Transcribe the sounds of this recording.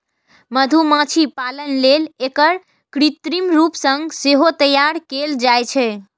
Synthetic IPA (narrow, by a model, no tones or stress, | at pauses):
məd̪ʱumãt͡ʃʰipalənlelekəɾ | kɾit̪ɾimɾupsəŋɡseɦot̪əjaɾkeld͡ʒajt͡ʃʰɛ